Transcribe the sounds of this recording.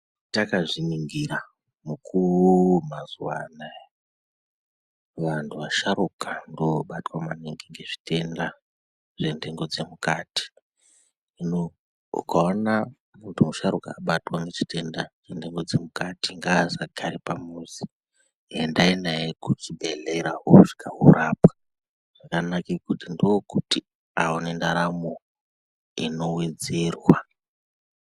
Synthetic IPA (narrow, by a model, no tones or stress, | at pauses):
takaʐiniŋɡiɾa | mukʰurmazuwa̰nae | ʋantʰuʋaʃaɾukandoɓatwamaneŋɡiŋɡe̞ʐi̥te̞nda | ʐendeŋɡo̞d͡ze̞mukaːti̥ | ino | ṵkaona | muntʰumuʃaɾuka̰ːɓatwanet͡ʃi̥te̞ndaʐendeŋɡo̞d͡zemukatiŋɡaːsakʰaɾipamuzi | endainajekut͡ʃibʱeleɾaɦoʐi̥kʰaɦuɾapḁ | ʐ̥akanakekutindookuti | aonendaɾamo | ino̞wed͡zerwa